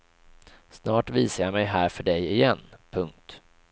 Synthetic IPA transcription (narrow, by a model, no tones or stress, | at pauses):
snɑːʈviːsajamɛjɦæːɾfœɖɛjɪjɛnːpʰɵŋk̚t̪